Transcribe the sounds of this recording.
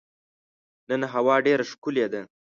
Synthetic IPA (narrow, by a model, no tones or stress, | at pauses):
nənɦawɑːɖeɾaʃkʊled̪a